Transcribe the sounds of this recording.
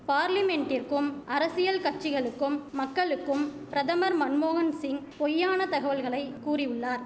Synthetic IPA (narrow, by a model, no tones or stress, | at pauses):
paːɾlɪmɛɳʈɪɾkɯmʔɐɾɐsɪjɐlkɐʈ̚t͡ʃːɪɣɐɭɯkːɯmːɐkːɐɭɯkːɯmpɪɾɐðɐmɐɾmɐnmoːɣɐnsɪŋpɔjːaːnɐt̪ɐɣɐʋɐlɣɐɭɐɪkːuːrɪjɯɭːaːɾ